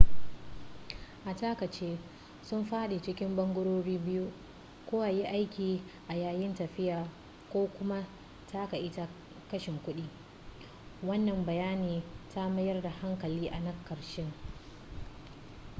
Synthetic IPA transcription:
ʔa˨ta˦kɐ˨t͡ʃeː˦ | sʊ˦mɸaː˦ɗe˨t͡ʃɪ˦kʲɪ˦mbɐ˦ŋɡʷʊ˦ɽoː˦ɽiː˦bɪ˦ju˦ | kʷoː˦wa˨ji˦ʔa˦jkʲiː˨ʔa˨jaː˦˨jɪ˦ntɐ˨ɸɪ˦jaː˨ | kʷoː˦kʷʊ˦ma˦ | tʰa˦ka˨ʔɪ˦ta˦ | kɐ˦ʃɪ˨ŋkʷʊ˦ɗiː˦ | wɐ˦nːɐ˨mbɐ˨jaː˦niː˨ta˦mɐ˦jɐ˦rda˨ha˦ŋkɐ˨liː˦ʔa˨nɐ˦kːɐ˨ɾʃɪ˦ŋ

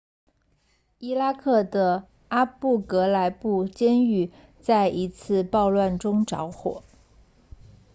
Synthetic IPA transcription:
i˥la˥kʰɤ˥˩d̪ə˩ | a˥pu˥˩kɤ˧˥la˧˥ɪpu˥˩t͡ɕjɛ˥ny˥˩ | t͡sa˥˩ɪʔi˧˥t͡sʰɹ̩˥˧pɑ˥˧ʊlwa˥˩nʈ͡ʂʊ˥ŋʈ͡ʂɑ̰˧˥ʊxwɔ̰˨˩˦

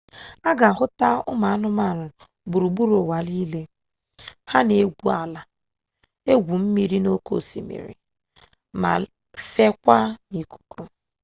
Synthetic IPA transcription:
a˦ɡa˨ɦʊ˦ta˦ʊ̰˦ma˨a˦nʊ˦ma˦˨nʊ˨ | bu˨ɾu˨bu˦ɾo˨wa˨li˦le˦ | ha˦ne˨˦ɡʷu˦a˨la˨ | e˦ɡʷu˨m̩˦mi˦ɾi˦no˦ko̰˦˨sḭ˨mḭ˨ɾḭ˨ | ma̰˨ | fe˦kʷa˦ni˨ku̥˨kʰo˦

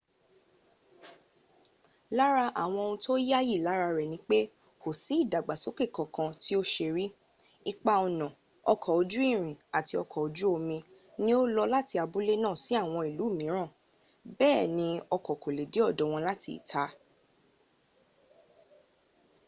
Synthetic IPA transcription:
la˦ɾa˧ʔa̰˨w̃ɔ̃˧o˧ũ˧to˦ja˦ji˦˨la˨˦ɾa˧ɾɛ˨nĩ˨˦k͡pe˦ | kʰo˨si˨˦i˦˨da˨ɡ͡ba˨so˨˦ke˦˨kɔ̃˨kã˧ti˦o˦ʃe˧ɾi˦ | i˦k͡pa˧ɔ˧nã˨ | ɔ˧kʰɔ˨o˨˧d͡ʒu˦i˦˨ɾ̃ĩ˨a˨ti˧ɔ˧kʰɔ˨o˨d͡ʒu˦o˧mĩ˧ | nĩ˦o˦lɔ˧la˦ti˧a˧bu˦le˦nãː˦˨si˨˦a˦˨w̃ɔ̃˧i˨lu˨˦˨mĩ˨˦ɾ̃ã˦˨ | bɛː˦˨nĩ˧˦ɔ˧kɔ˨ko˨le˨de˨˦ɔ˦˨dɔ̃˨˦w̃ɔ̃˧la˦ti˧ḭ˨tʰa˨˦

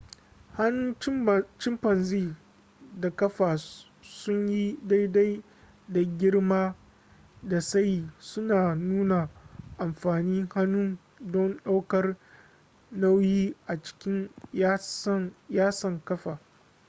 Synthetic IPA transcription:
ha˦nʊ˦n˦t͡ʃɪ˦mpɐ˨nziː˦ | da˨kɐ˦ɸaː˨ | sʊ˦ɲji˦da˦jda˦j | da˨ɡʲɪ˦ɽmaː˦ | da˨sa˦jiː˨sʊ˦naː˨nuː˦na˨ʔa˨mɸaː˨niː˦ŋha˦nʊ˦n | dɔ˦nɗa˦wkɐ˦r | na˦wjiː˦ʔa˨t͡ʃɪ̥˦kʲɪ˦n˦ | jaː˦sɐ˨ŋkɐ˦ɸaː˨

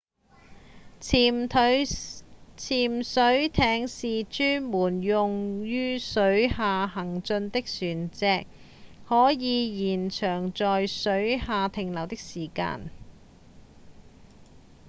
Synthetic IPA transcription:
t̪ʰ | t͡sʰiː˨˩msɵ˨˥ɥt̪ʰɛː˨˥ŋsiː˨t͡ʃyː˥nmuː˨˩njʊ˨ŋjyː˥sɵ˨˥ɥhaː˨˧ɦɐ˨˩ŋt͡sɵ˧nt̪ɪ˥k̚syː˨˩nt͡sɛː˧k̚ | hɔː˨˥jiː˨˧jiː˨˩nt͡ʃʰœː˨˩ŋt͡ʃɔː˨jsɵ˨˥ɥhaː˨t̪ʰɪ˨˧ŋlɐ˨˩wt̪ɪ˥k̚siː˨˩ka̰ː˧n

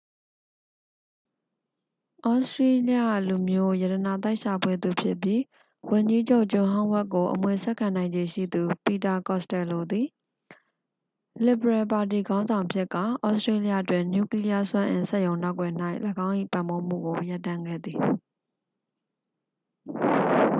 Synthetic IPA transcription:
ʔɔ˦stɹe˦li˦a˦˨lu˨mjo˦ja˨ɾə˨na˨t̪a˦ɪʔʃa˨pʰwe˦d̪u˨pʰjɪ˦ʔpji˦ | wʊ̃˨ɲd͡ʑi˦d͡ʑo˦ʊʔt͡ɕʊ̃˨ɦã˦ʊ̃wɛ˦ʔkːo˨ʔəmwe˨sɛ˦ʔkʰã˨nã˨ɪ̃ɲd͡ʑe˨ʃḭ˦˨d̪u˨pi˨ta˨kɔ˦˨stɛ˨lo˨d̪i˨ | lɪ˨bəɹɛ˨pa˨t̬i˨ɡã˦ʊ̃nzã˨ʊ̃ʔəpʰjɪ˦ʔka̰˦˨ʔɔ˦ʊʔstɹe˦li˦ja̰˦˨ʔətwɪ̃˨ɲju˦˨kli˦ja˦swã˦ʔɪ̰̃˨nsɛ˦ʔjõ˨ʊ̃na˦ʊkwɛ˨n̥a˦ɪʔləɡã˦ʊ̃ʔḭ˦˨pã˨mbo˦m̥ṵ˦˨ɡo˨ja˦tːã˦ŋɡɛ̰˦˨d̪ði˨

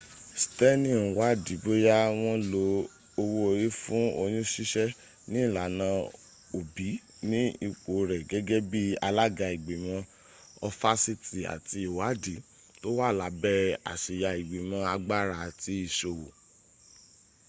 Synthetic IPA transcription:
stɛ˦nĩ˦˨wa˨˦di˨˦bo˦ja˦w̃ɔ̃˦lo˧ | o˧wo˦o˧ji˦fũ˦o˧jũ˦ʃi˦ʃɛ˦ | nĩ˦˨la˨nã˧ | o˨bi˨˦ | nĩ˦i˦˨k͡po˨ɾɛ˨ɡɛ˨˦ɡɛ˦bi˦a˧la˦ɡa˧i˨ɡ͡be˨mã˧˦ | ɔ˧fa˦si˧ti˨a̰˨ti˧o˨wa˨˦di˨˦ | to˦wa˦˨la˨˦bɛ˦a̰˨ʃi˨ja˧i˨ɡ͡be˨mã˧a˧ɡ͡ba˦˨ɾa˨ti˧˦i˨ʃo˨wo˨

